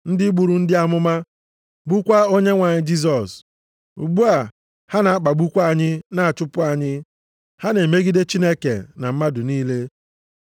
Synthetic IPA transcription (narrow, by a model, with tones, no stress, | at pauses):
n̩˦dɪ˦ɡ͡bu˨ɾu˨n̩˦dɪ˦a˦mʊ˦ma˦ | ɡ͡bu˦kʷa˦o˦ɲe˦ŋʷa˨ɲɪ˦d͡ʒi˦s̬ɔ˨s | ṵ˨ɡ͡bu˦a˨ | ha˦na˨a˦k͡pa˨ɡ͡bu˦kʷa˦˨ɲɪ˦na˨a˨t͡ʃʊ˦pʊ˦a˨ɲɪ˦ | ha˦ne˨me˦ɡi˦de˦t͡ʃi˦ne˦kḛ˨na˨m̩˦ma˦dʊ˨niː˦le˦